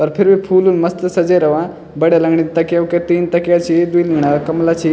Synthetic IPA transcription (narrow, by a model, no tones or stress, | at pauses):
pɐɾpʰiɾʋipʰuːluːnmɐst̪əsɐd͡ʑəjɾɐʋã | bəɽjalɐɡɳit̪ɐkjauket̪iːnt̪ɐkjat͡ɕid̪ujilɐŋɡɳakɐmlat͡ɕi